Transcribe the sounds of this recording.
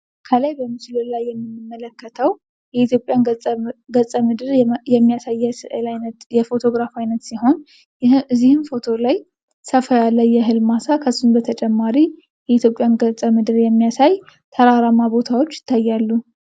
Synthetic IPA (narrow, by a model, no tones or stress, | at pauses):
kʰəlajbəmɨt͡ʃlɨlajːɛmːɨnːɨmːələkːət̪ʰəw | jɛit̪jo̞pʼjanɡət͡sʼəmɨd̪ɨɾjɛmːijasajːɛsɨlajnət̪jɛfo̞t̪ʰo̞ɡɾafajnət̪siɦo̞n | ɨzːihɨnfo̞t̪ʰo̞laj | səfəjalːəjːɛɦɨlmasakʰəsːunbət̪ʰət͡ʃʼɛmːaɾi | jɛit̪ʰjo̞pʼːjanɡət͡sʼəmɨd̪ɨɾjɛmːijasaj | t̪ʰəɾaɾamabo̞t̪ʰawo̞t͡ʃːjɪ̥t̪ʰːajːalːu